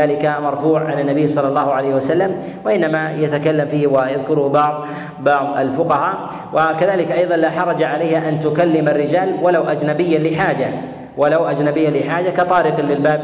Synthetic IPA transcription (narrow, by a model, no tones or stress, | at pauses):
aːlɪkamɑɾˤfuːʕʕanɪnːabijːsˤɑlːɑlˤːɑːhʊʕalajhwasalːam | waʔɪnːamajat̪akalːamfiːhwajaðkʊɾʊhbɑʕðˤ | bɑʕðˤa̰lfʊqɑhaː | wʔakaðaːlɪkʔɑjðˤɑnlaħɑɾˤɑd͡ʒaʕalajhaʔant̪ʊkalːɪmarːɪd͡ʒaːlwalawʔad͡ʒnabɪjːalɪħaːd͡ʒa | walawʔad͡ʒnabɪjːalɪħaːd͡ʒakɑt̪ˤɑːɾɪqlɪlbaːb